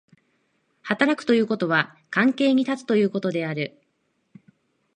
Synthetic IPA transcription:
hat̪aɾakɯ̟̥o̞jɯ̟ːko̞t̪o̞β̞a | kãŋke̞ːɲ̟it̪at͡sɨ̥t̪o̞jɯ̟ːko̞t̪o̞d̪e̞aɾɯ̟

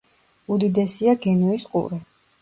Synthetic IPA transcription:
ud̪id̪ɛsiaɡɛnuisqʼṵɾɛ

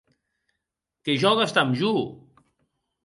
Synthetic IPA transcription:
keʒɔɣast̪amʒu

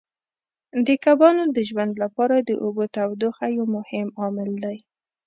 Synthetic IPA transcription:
d̪əkabɑnod̪əʒwand̪lapɑɾad̪əʔobot̪awd̪oxajamʊhɪmɑmɪld̪aj

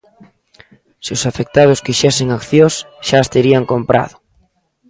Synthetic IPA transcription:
sɪʊsafek̚t̪að̞ʊskiʃɛsɪŋakθjos | ʃaːst̪eɾiaŋkompɾa̰ðʊ

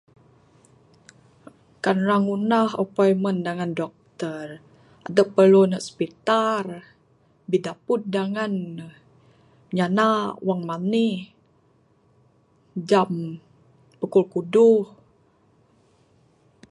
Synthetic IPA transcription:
kanraŋunahopajməndaŋandɔk̚t̪ər | a̰dəʔpərlunəʔspit̪ar | bidaput̪̚daŋan | ɲanawaŋmanih | d͡ʒam | pəkulkuduh

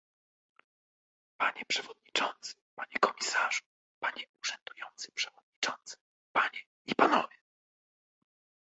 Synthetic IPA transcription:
paɲɛpʂɛvɔd̪̚ɲit͡ʂɔnt̪sɘ̥paɲɛkɔmʲisaʐu | paɲɛuʐ̥ɛnd̪ujɔnt̪sɘpʂɛvɔd̪̚ɲit͡ʂɔnt̪sɘ̥ | paɲɛ | ipanɔvʲjɛ

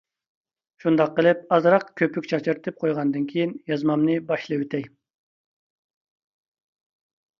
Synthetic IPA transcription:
ʃund̪ɑqːəlˠɪp̚ɑzɾɑqkʲʰøpʰykʲt͡ʃʰɑt͡ʃʰɨɾt̪ʰɨp̚qʰojʁɑnɨd̪ɨnkʲʰijinjɑzmɑmnɨbɑʃlˠɨwyt̪ʰɛj

